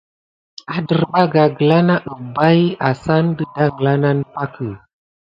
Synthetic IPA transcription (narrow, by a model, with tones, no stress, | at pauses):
a˨də˨ɾba˦ɡa˨ɡə˨la˦na˦ʔə˨ba˦ja˨sa˦ndə˦da˦ŋ˨la˦na˦npa˦kə˨